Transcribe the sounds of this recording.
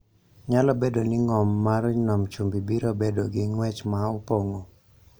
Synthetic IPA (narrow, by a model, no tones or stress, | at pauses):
ɲalɔbedonɪŋɔmːaɾnɔmt͡ʃumbibiɾobedoɡɪŋwɛt͡ʃmaopoŋo